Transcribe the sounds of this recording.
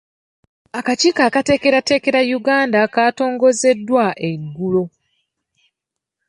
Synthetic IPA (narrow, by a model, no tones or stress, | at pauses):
akaciːkaːkate̞ke̞ɾate̞ːke̞ɾajuɡaːndakaːto̞ːŋɡo̞ze̞dːwaʔe̞ɡːulo̞